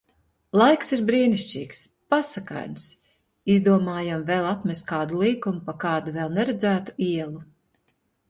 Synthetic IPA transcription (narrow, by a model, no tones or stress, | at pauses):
lˠajksiɾbɾiːniʃt͡ʃiːks | pasaka̰jns | izd̪uɔmaːjamvɛlˠat̪mʲɛst̪kaːd̪ulˠiːkumupakaːd̪uvɛlˠnɛɾɛd̪zæːt̪u̥iɛlˠu